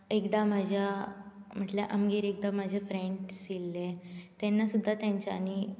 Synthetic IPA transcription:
ekd̪amad͡ʑʱjam̤əʈleʔamɡeɾek̚d̪amad͡ʑʱefɾeɳʈsilːet̪ɛnːasud̪ʱːat̪jaɲt͡ɕaːni

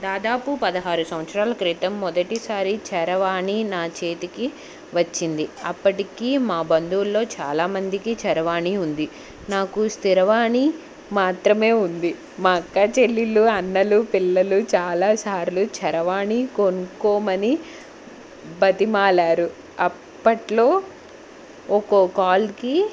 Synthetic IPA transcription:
d̪aːd̪aːpupɐd̪ɐɦaːɾusɐʋɐt̪sɾaːlɐkɾiːt̪ɐmːɔd̪ɐʈisaːɾit͡ʃɐɾɐʋaːɳinaːt͡ʃe̞ːt̪iki | ʋɐt͡ʃːind̪iɐpːɐʈikiːmaːbɐnd̪ulːo̞ːt͡ʃa̰ːlaːmɐnd̪ikit͡ʃɐɾɐʋaːɳiund̪i | naːkust̪iɾɐʋaːɳi | maːt̪ɾɐme̞ːund̪i | makːaːt͡ʃelːiluɐnːɐlupilːɐlut͡ʃaːlaːsaːɾlut͡ʃɐɾɐʋaːɳikonukoːmɐni | bɐt̪imaːlaːɾu | ɐ | pːɐʈlo̞ː | ɔkokaːlki

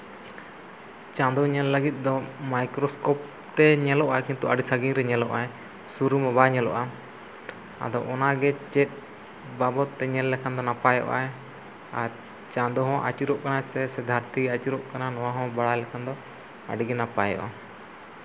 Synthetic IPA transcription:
t͡ʃãd̪ɔɲɛlːəɡit̪̚ˀd̪ɔmajkɾɔskɔp̚ | t̪ɛɲɛlɔʔakĩnt̪uʔaɖisaɡiŋɾɛɲɛlɔʔaɛ | suɾumɛbaɲɛlɔʔa | a̰d̪ɔʔɔnaɡɛt͡ʃɛt̪̚ˀ | babɔt̪ːɛɲɛlːɛkʰand̪ɔnapajɔ̰ʔa̰ɛ | a | t͡ʃãd̪ɔɦɔ̃ʔa̰t͡ʃiɾɔʔkanasɛsɛd̪ʱaɾt̪iat͡ʃiɾɔʔkananɔwaɦɔ̃baɽajlɛkʰand̪ɔ | a̰ɖiɡɛnapajɔ̰ʔa

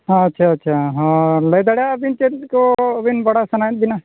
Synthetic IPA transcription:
ɦaɐtːʃʰaɐtːʃʰaɦɔɾləjd̪aɽjabint͡ʃet̪kobinbɐɽasɐnajət̪̚bina

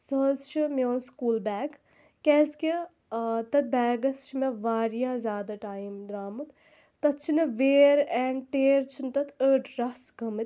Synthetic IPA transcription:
sɐzt͡ʃʰimʲjoːnskuːlbɛːɡ | kɛːski | t̪ɐt̪̚bɛːɡɐst͡ʃʰimeʋaːɾjaːzʲjaːd̪aʈaːjimd̪ɾaːmɨt̪ | t̪ɐt̪̚t͡ʃʰinɐʋeːɾɛɳɖʈeːɾt͡ʃʰint̪ɐt̪ʰəːʈʰɾɐsɡɐmɨt̪

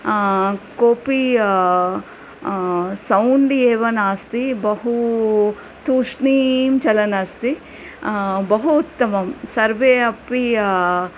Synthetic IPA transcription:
koːpi | sɐwɳɖeːʋɐnaːst̪ibɐɦu | t̪uːʂnimt͡ʃɐlɐnaːst̪i | bɐɦuːt̪ːɐmɐmsɐɾʋeːɐpi

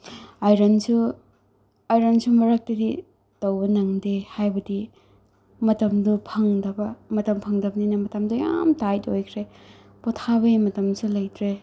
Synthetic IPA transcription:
ajɾansu | ajɾɐnsumɐɾak̚tɐdi | tɐwbɐnɐŋdehajbɐdi | mɐtɐmdupʰɐŋdɐbɐmɐtɐmpʰɐŋdɐbɐninɐmɐtɐmduja̰mtajtojkʰɾe | pɔtʰaβɐimɐtɐmsulɐjtɾe

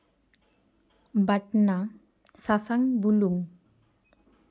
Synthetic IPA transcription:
baʈna | sasaŋbuluŋ

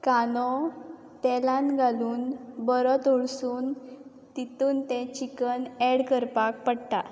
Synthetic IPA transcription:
kanɔ | t̪ɛlãnɡʱaluːnbəɾət̪oɭsuːn | t̪it̪uːnt̪ɛ̃t͡ɕikəneɽkəɾpak̚pəɽt̪a̰

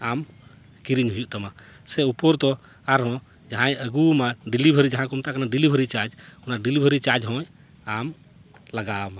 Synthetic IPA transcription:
am | kiɾiɲɦujuʔt̪ama | sɛupɔɾt̪ɔ | aɾɦɔ̃ | d͡ʒaɦãjəɡumaɖilibʱəɾid͡ʒaɦãkumt̪ʰaʔkanaɖilibʱəɾit͡ʃad͡ʒunaɖilibʱəɾit͡ʃad͡ʒɦɔ̃j | am | laɡama

